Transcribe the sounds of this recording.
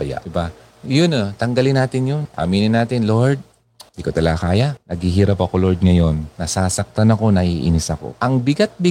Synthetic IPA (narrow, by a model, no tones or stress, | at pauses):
ɐja̰ʔɪba | jʊnot̪ɐŋɡɐlɪnːaːt̪ɪnjonʔa̰miːnɪnːaːt̪ɪnlo̞ɹd̪̚ | d̪ikot̪ɐlɐɡakaːjanɐɡhiɦiːɾɐpːɐko̞lo̞ɹd̪̚ŋɐjo̞nːɐsaːsɐk̚t̪anɐko̞nɐʔiʔɪ̰nɪsɐko̞̰ʔɐŋbɪɡat̪̚bɪ